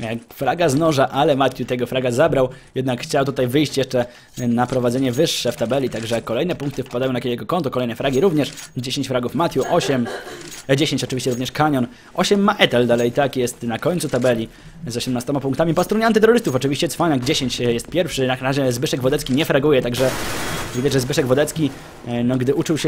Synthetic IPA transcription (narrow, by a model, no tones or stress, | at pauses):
jakfɾaɡaznɔʐaʔalɛmat̪ʲjut̪ɛɡɔfɾaɡazabɾawjɛd̪nakxt͡ɕawt̪ut̪ajvɘjɕt͡ɕjɛʂt͡ʂɛ | napɾɔvad̪zɛɲɛvɘʂːɛft̪abɛlʲit̪aɡʐɛkɔlɛjnɛpuŋk̚t̪ɘfpad̪ajɔ̃nakʲeeɡɔkɔnt̪ɔkɔlɛjnɛfɾaɡʲiɾuvɲɛʂd͡ʑeɕeɲt͡ɕfɾaɡufmat̪ʲjuʔɔɕɛm | d͡ʑeɕeɲt͡ɕɔt͡ʂɨvʲiɕt͡ɕɛɾuvɲɛʂkaɲɔn | ʔɔɕɛmːaʔɛt̪ɛld̪alɛit̪akjɛst̪nakɔɲt̪sut̪abɛlʲi | zɔɕɛmnast̪ɔmapuŋkt̪amʲipɔst̪ɾuɲɛant̪̬ɘt̪ɛɾɔɾɘst̪ufɔt͡ʂɘvʲiɕt͡ɕɛt̪sfaɲaɡd͡ʑeɕeɲt͡ɕjɛst̪̚pʲjɛɾfʂɘnaɾaʑɛzbɘʂɛɡvɔd̪ɛt̪kʲiɲɛfɾaɡujɛt̪aɡʐɛvid̪ad͡ʑʐɛzbɘʂɛɡvɔd̪ɛt̪skʲi | nɔɡd̪ɘʔut͡ʂɨwɕɛ